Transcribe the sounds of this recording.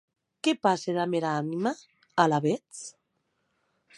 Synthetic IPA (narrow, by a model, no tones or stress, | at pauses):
kepaseðameɾaanima | alaβet͡s